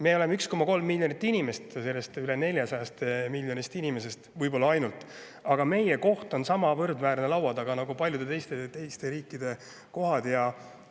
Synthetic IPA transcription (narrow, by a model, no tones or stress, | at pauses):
me̞ːo̞lemeyksko̞mɑko̞lmːilʲjonit̪ːˑinime̞st̪se̞lːe̞st̪yle̞ne̞lʲjɑsɑjɑst̪emilʲjo̞nist̪inime̞s̬e̞st̪vɯjbo̞lːɑɑjnult̪ːˑ | ɑɡ̥ɑme̞jeko̞ht̪o̞nsɑmɑvɤrd̪væːɾne̞lɑwɑd̪ɑɡ̥ɑnɑɡupɑlʲjud̪e̞t̪e̞jst̪e̞t̪e̞jst̪e̞ɾiːkːˑid̪̥e̞ | ko̞ɦɑd̪̥jɑ